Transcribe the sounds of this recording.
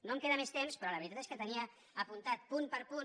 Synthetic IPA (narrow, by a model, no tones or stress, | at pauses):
nomkeðəmest̪emspɾɔləβɾit̪at̪eskət̪əniəː | punt̪at̪̚punpəɾpu